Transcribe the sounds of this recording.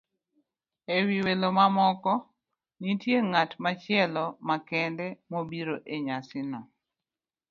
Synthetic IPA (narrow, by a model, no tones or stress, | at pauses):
ewiwelomamɔkɔ | nitjeŋatmat͡ʃɪɛlɔmakɛndɛmobiɾoʔeɲasɪnɔ